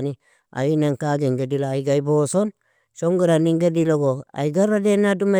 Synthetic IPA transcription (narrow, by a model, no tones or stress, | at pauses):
ni | a̰jinaŋkaɡeŋɡedilaːiɡaiboson | ʃoŋɡuɾaniŋɡediloɡoa̰iɡaɾadenaduma